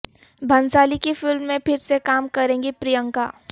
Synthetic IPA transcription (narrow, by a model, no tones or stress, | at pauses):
bʱɐ̃nsaːlikifɪlmːẽpʰɪɾsekaːmkɐɾẽːŋɡipɾijə̃ŋka̰ː